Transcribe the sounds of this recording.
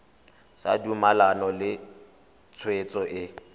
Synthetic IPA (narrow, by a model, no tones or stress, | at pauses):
sa̰dumalanɔlɪ | t͡sʰwet͡sʼɔʔɪ